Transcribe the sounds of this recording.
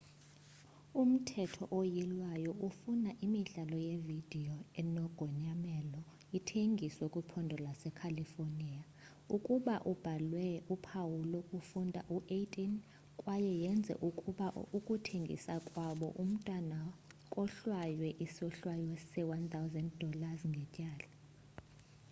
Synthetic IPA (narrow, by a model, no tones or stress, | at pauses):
um̩tʰɛtʰɔʔojilwajɔufunaʔimiɮalɔjevid̥ʱiɔɛnɔɡ̥ʱɔɲamɛlɔ | itʰeŋɡʱiswɛkʼupʰɔndʱɔlasɛkʰalifoniːa | ukʼuɓaʔub̥ʱalwɛupʰawulokʼufundʱa̰ʔuʔetʼin | kʼwajɛjɛnd͡zʱɛ̰ʔukʼuɓaʔukʼutʰeŋɡʱḭsakʼwaɓɔ̰ʔum̩tʼwanakʼɔɬwajwɛʔisɔɬwajɔsɛwant̪ʰʼawzɛnd̚dʱɔlazŋɡʱɛcʼaːla